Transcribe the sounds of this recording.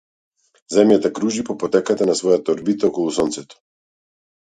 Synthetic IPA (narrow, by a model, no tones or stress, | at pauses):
zɛmjat̪akɾuʒipɔpɔt̪ɛkat̪anasvɔjat̪aɔɾbit̪aɔkɔlˠusɔnt̪sɛt̪ɔ̥